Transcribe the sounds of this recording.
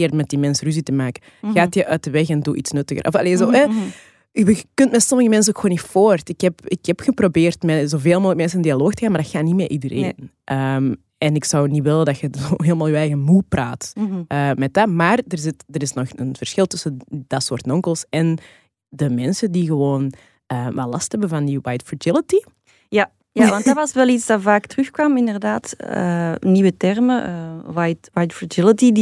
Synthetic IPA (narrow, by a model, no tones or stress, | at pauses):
kɪːrtmɛt̚dimɛnsryzitəmaːkə | ɣaːtjəʔœːt̚dəʋɛxɛnduʔḭtsnɵtəɣə̰rʔɔ̰fa̰leːzoːɛ | wəkʏntmɛsɔməɣəmɛns̬ənoːkxoːnifoːrtɪkhɛpɪkhɛpxəprobeːrtmɛzoːveːlˠmoːləkəmɛnsənɪndialoːxtəɣaːnmaːɾdɪxaːnimeːʔidəɾḛːn | ʔəm | ɛnɪksɑwniʋɪlədɑxəzo̰ːɦeːləmaːlˠyːɛːɣəmuːpra̰ːtʔəːmɛt̚amaːrdərzɪtdəɾɪsnɔxənv̥ərsxɪlˠtʏsəd̥ɑtsoːrtnɔŋkəlˠsɛn | dəmɛnsədiɣəwoːn | əːʋalɑsthɛbəvɑndiwajtfɹad͡ʒɪlˠəti | ja | jaʋɑntdɑtʋɑsʋɛlˠitsdɑvaːktrʏxkwɑmɪndərdaːtə̰niwətɛrməəwajtwajtfɹad͡ʒɪləti